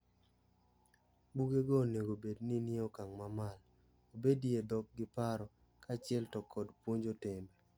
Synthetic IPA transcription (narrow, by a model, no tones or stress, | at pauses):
buɡeɡɔneɡobedniniokaŋmamal | obediedɔk̚ɡɪpaɾɔ | kat͡ʃɪɛltɔkʰːɔdpwoɲd͡ʒotɪmba